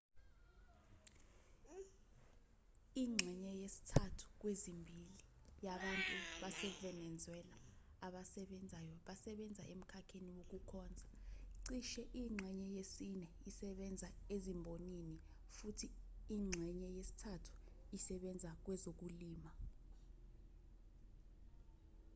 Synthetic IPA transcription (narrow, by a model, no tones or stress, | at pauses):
iŋ͡ǁʱɛɲɛjesi̥tʰatʰu̥k̬wezimbʱili | jaɓantʼuɓasɛvɛnɛnd͡zʱwɛlaː | ɓasɛɓɛnd͡zʱajɔɓasɛɓɛnd͡zʱaʔem̩kʰakʰeniwok̬ukʰɔːnd͡zʱaǀiʃɛʔiŋ͡ǀʱɛɲɛjesinɛ | isɛɓɛnd͡zʱaezimbʱonini | futʰiiŋ͡ǁʱɛɲɛjesi̥tʰatʰu̥ | isɛɓɛnd͡zʱak̬wɛzok̬uliːma